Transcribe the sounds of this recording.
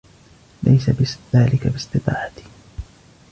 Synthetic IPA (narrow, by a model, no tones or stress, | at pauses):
lʔa̰jsabɪðaːlɪkabɪsˤt̪ɨt̪ˤɑ̰ːħat̪ɪ̥